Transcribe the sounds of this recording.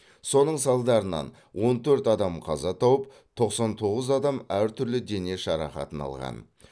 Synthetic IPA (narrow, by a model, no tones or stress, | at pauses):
so̞nəɴsɑlˠd̪ɑɾənɑ̰n | wʔo̞nt̪ʰɵɾt̪ɑd̪ɑmqʰɑzɑt̪ʰɑwəp̚ | t̪ʰo̞qsɑnt̪ʰo̞ʁəzɑd̪ɑmæɾt̪ʰʏɾlɪd̪e̞ne̞ʃɑɾɑqɑ̰t̪ənɑ̰lˠʁɑ̰n